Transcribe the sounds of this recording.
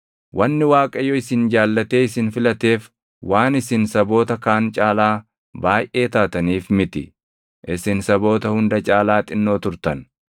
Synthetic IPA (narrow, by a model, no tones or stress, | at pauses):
wʔɐnːɪwaːkʼɐjɔɪsɪnd͡ʒaːlːɐt̪e̞ːɪsɪnfɪlɐt̪e̞ːf | wʔaːnɪsɪnsɐbo̞ːt̪ɐkaːnt͡ʃʼaːlaː | baːjʔe̞ːt̪aːt̪ɐniːfmɪt̪ɪ | ʔɪsɪnsɐbo̞ːt̪ɐhʊnd̪ɐt͡ʃʼaːlaːt̪ʼɪnːo̞ːt̪ʊɾt̪ɐn